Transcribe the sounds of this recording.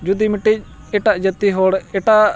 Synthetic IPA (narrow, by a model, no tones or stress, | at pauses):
d͡ʒud̪iːmɪʈːieʈaʔd͡ʒət̪ːiːɦoːɽeʈa